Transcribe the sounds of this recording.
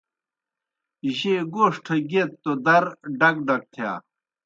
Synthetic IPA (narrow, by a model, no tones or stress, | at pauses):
ʑeɡoːʂʈʰɐɡet̪t̪ːod̪ɐɾɖɐk̚ɖɐk̚t̪ʰja̰ː